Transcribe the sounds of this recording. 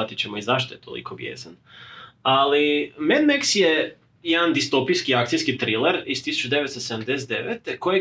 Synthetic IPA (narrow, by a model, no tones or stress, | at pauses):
at̪it͡ɕemoizaʃ̬t̪ojet̪ʰolḭkʰo̞bjḛːzan | alimed̪meksje | jed̪and̪ist̪o̞pijskiak̚t̪ijskit̪ɾilˠeɾist̪isu̥t͡ʃud̪eʋet̪st̪osed̪amd̪eset̪d̪eʋet̪ekoje